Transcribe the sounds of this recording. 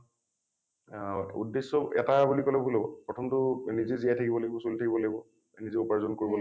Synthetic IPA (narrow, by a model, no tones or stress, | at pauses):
ṵdːesːɔɛ̰tabulikɔlɛbʱulɔbɔpɹɔtʰɔmtʊnizezijatʰakibɔlaɡibɔsolitʰakibɔlaɡibɔ | nizeupaɹzɔnkoɹibɔla